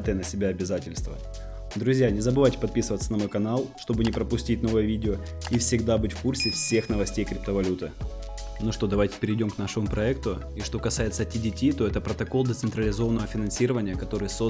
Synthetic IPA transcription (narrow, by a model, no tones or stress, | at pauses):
t̪əjənəsʲɪbʲaɐbʲɪzatʲɪlʲst̪və̰ | d̪ɾʊzʲjanʲɪzəbɨvajtʲɪ̥pɐt̪̚pʲisɨvət̪sənɐmo̞jkɐnalˠʂt̪o̞bɨnʲɪpɾəpʊsʲtʲitʲno̞vəjəvʲidʲɪo | ifsʲɪɡd̪abɨtʲfkursʲɪfsʲe̞xnəvɐsʲtʲejkɾʲɪp̚t̪əvɐlʲut̪ɨ | noʂt̪o̞d̪ɐvajtʲɪ̥pʲɪɾʲɪdʲo̞mknaʂɨmʊpɾɐɛkt̪ʊ | iʂt̪o̞kɐsajɪt̪sətʲɪdʲɪtʲit̪o̞ɛt̪əpɾət̪ɐko̞lˠd̪ət̪sɨnt̪ɾəlʲɪzo̞vənəvəfʲɪnɐnsʲiɾəvənʲɪjəkɐt̪o̞ɾɨjso̞